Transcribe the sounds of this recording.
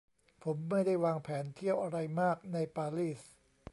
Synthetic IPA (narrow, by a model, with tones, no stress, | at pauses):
pʰo˩˦mːa˥˩jda˥˩jwaː˧ŋpʰɛː˩˦nt̪ʰi˥˩əwʔa˧ɾa˧jmaː˥˩k̚na˧jpaː˧liː˥˩s